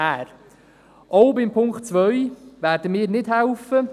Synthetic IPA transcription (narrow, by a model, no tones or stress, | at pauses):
æːɾ | ʔɔʊbɪmpʰʊŋkχtt͡sʋœɥvæːɾdəmiːɾnɪd̥ɦɛlfə